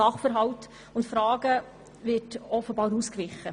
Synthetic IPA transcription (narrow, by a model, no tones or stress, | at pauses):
ɑχfəɾɦɑwt | ʊntfɾɑːɡə | vɪtɔfəbɑːɾuːskvɪχːə